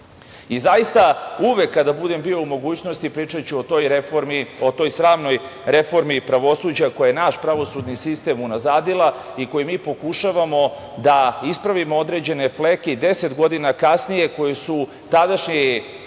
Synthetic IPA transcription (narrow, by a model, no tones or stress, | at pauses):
izajist̪auʋekːad̪abud̪embio̞umo̞ɡuːt͡ɕno̞st̪ipɾiːt͡ʂat͡ɕuooj | ot̪o̞jsɾaːʋno̞j | ɾe̞fo̞ɾmipɾaʋo̞suːd͡ʑakojajenaʃpɾaʋo̞sud̪nisist̪e̞munazaːd̪ilˠa | iko̞jimiːpo̞kuʃaʋamo̞ | d̪aispɾaʋimood̪ɾe̞d͡ʑe̞ne̞fleked̪e̞set̪ɡo̞d̪inakasnije̞ko̞jesu | t̪ad̪aʃɲe